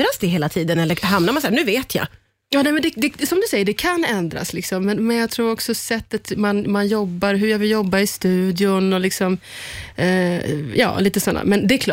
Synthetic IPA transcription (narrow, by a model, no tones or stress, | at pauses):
ɾasd̪ɛɦeːlat̪ʰiːd̪ənɛlːəɾɦamnaɾmansaæːnʉ̟ːveːt̪ʰja̰ | jɑːnɛːmɛnd̪ɛd̪ɛsɔmd̪ɵsɛjːəɖɛkʰanɛnd̪ɾa̰slɪksɔmːɛnmɛnjɑɡt̪ʰɾuːɾɔksɔsɛt̪ːat̪manmanjɔbːaɾɦɵɾjavɪljɔbːaɪst̪ʉ̟ːd̪jʊnɔlɪksɔm | jɑ̰ːliːt̪əsɔnːa̰mɛnd̪ɛkʰl